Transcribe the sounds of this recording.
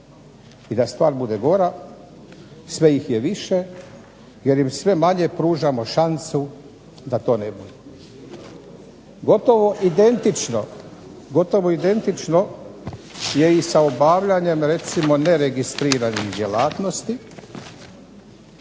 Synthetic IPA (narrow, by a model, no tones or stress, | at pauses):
id̪ast̪ʋaːɾbud̪eɡo̞ɾa | sʋe̞jixjeʋiʃe̞ | je̞ɾjimsʋe̞maɲe̞pɾuːʒamo̞ʃansu | d̪at̪o̞ːnebud̪e | ɡo̞t̪oʋoʔid̪e̞nt̪it͡ʃno̰ɡo̞t̪o̞ʋoid̪e̞nt̪it͡ʃno̞ | je̞isaobaːʋʎaɲe̞mɾe̞t̪simo̞ne̞ɾeɡist̪ɾiːɾanixd̪ʲje̞laːt̪no̞st̪i